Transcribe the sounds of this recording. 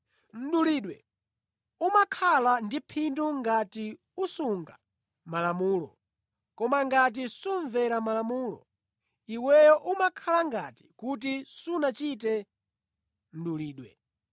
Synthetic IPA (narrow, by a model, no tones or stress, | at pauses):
m̩ɗuliːɗwɛ | umakʰalandipʰinduŋɡati | usuŋɡa | malamuːlɔ̰ | kɔmaŋɡat̬isuɱvɛɾamalamuːlɔ̰ | iwɛjɔʔumakʰalaŋɡati̥kut̬isunat͡ʃit̬ɛ | m̩ɗuliːɗwɛ